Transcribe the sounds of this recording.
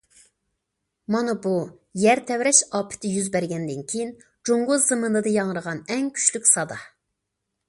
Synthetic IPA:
mɑnɨbu | jæɾt̪ʰɛwɾɛʃɑːpʰɪ̥t̪ʰɪjyzbæɾɡʲɛnd̪ɪnkʲʰejin | d͡ʒoŋɡʊzɨmɨnɨd̪ɨjɑŋəɾəʁɑnɛŋkʲʰy̥ʃlykʲsɑd̪ɑ

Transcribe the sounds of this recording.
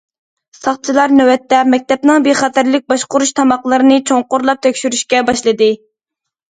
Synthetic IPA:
sɑχt͡ʃʰilˠɑɾnøwɛt̪ːɛmɛk̚ʲt̪ɛpnɨŋbeχɑt̪ʰæɾlɪk̚ʲbɑʃqʊɾuʃt̪ʰɑmɑqlˠɨɾɨnɨt͡ʃʰoŋqʊɾlˠɑp̚t̪ʰøkʲʃyɾyʃkʲɛbɑʃlˠɨd̪ɨ

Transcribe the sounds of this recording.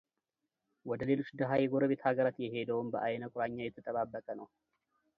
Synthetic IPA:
wɔd̪əle̞lo̞t͡ʃːd̪əɦajɛɡo̞ɾəβe̞t̪haɡəɾat̪jɛɦe̞d̪əwumbəʔajnəkʷʼʊɾaɲːajɛt̪ʰːət̪ʼəβabːəkʼənəw

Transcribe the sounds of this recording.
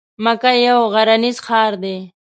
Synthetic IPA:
makajawɣaɾanizxɑːɾd̪e

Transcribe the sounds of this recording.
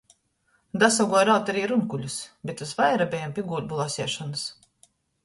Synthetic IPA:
d̪asaɡɔɔjɾaːt̪aɾiːɾunkulʲusbʲet̪uzvajɾabʲɛjampʲiɡuːlʲbulˠasʲiɛʃɔnɨs

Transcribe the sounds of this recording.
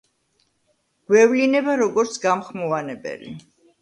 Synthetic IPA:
ɡ̥wɛvlinɛbaɾɔɡɔɾt̪sʰɡamχmɔvanɛbɛ̰lḭ

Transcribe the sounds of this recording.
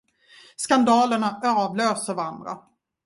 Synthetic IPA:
skand̪ɑːləɳaøːvløːsəɾvaɾand̪ɾa̰

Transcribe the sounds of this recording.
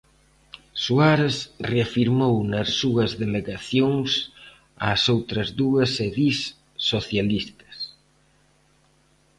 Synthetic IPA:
suaɾesreafiɾmownɐsːuɐzðeleɣaθjoŋs | a̰sowt̪ɾɐzðuɐseðisː | oθjalist̪ɐ̥s

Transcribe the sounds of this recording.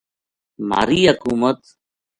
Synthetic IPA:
ma̰ːɾiːɦəkuːmət̪

